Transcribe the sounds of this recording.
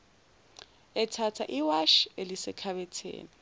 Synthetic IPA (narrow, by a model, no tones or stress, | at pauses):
ɛtʰatʰa̰ʔiwaʃelisɪkʰaβɛtʰḛːni